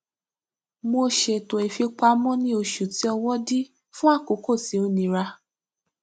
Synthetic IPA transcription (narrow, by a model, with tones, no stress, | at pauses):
mo˧ʃe˨tõ˨i˨fi˧k͡pa˧mɔ̃˦nĩ˧˦o˧ʃu˨ti˨˦ɔ˧wɔ˦di˦ | fũ˦a˦˨ko˨˦ko˦˨ti˨˦o˦nĩ˧ɾa˧